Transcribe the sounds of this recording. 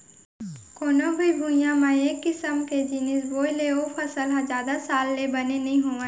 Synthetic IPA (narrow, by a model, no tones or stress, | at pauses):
koːnõbʱibʱujãmãeːkːɪsəmked͡ʒinɪsboːileopʰəsəlɦad͡ʒaːd̪asaːlːebɐnenəɦĩɦoːã